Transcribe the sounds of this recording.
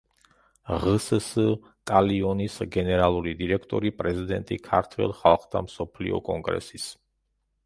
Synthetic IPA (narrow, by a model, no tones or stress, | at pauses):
ʁss | t̪ʼaliɔnisɡɛnɛɾalˠuɾid̪iɾɛkʰt̪ʼɔɾipʼɾɛzid̪ɛnt̪ʼikʰa̰ɾt̪ʰwɛ̰lˠχalˠχd̪ʰamsɔpʰlḭɔ̰kʼɔŋɡɾɛ̰sis